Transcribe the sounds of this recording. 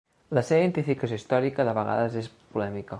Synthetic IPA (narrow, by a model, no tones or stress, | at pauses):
ləseβaiðent̪ifikəsjoist̪ɔɾikəðəβəɣa̰ðəzes | pulɛmikə